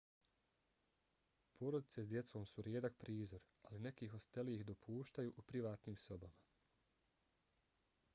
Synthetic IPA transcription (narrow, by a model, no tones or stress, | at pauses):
pʰo̞ːɾo̞d̪it̪se̞sd̪je̞t̪so̞ːmsuɾjeːd̪ak̚pɾiːzo̞ɾ | aline̞kiːɦo̞st̪eliixd̪o̞pʰuːʃt̪ajuːʔupɾiʋaːt̪niːmso̞bama